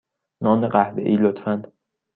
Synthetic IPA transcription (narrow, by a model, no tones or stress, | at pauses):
nɒːneɢæhbḛʔiːlot̪fænd̪